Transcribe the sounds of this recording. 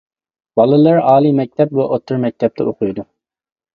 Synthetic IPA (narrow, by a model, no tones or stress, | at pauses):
b̥ɑlˠɨlˠɑɾɑːlˠimɛk̚ʲt̪ʰɛp̚buʔot̪ʰːʊɾmɛk̚ʲt̪ʰɛp̚t̪ʰɛoqʰʊjd̪u